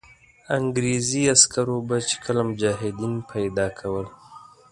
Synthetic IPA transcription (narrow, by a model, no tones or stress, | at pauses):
aŋɡɾeziaskaɾobat͡ʃe̥kʰəlamʊd͡ʒɑːɦɪd̪inpʰajd̪ɑkʰawəl